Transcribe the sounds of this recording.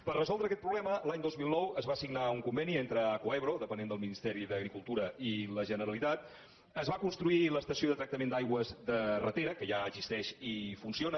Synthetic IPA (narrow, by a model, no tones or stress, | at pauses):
pərəzɔlˠd̪ɾəkɛt̪̚pɾuβlɛməlaɲd̪ozmilˠnɔwəzβasiɡnauŋkumbɛnient̪ɾəəkoɛβɾoðəpənend̪əlˠminist̪ɛɾiðəɣɾikulˠt̪uɾəiləʒənəɾəlit̪at̪ | əzβakunst̪ɾuiləst̪əsioðət̪ɾək̚t̪əmend̪ajɣwəzðərət̪eɾəkəʒaəɡzist̪ɛʃifunsionə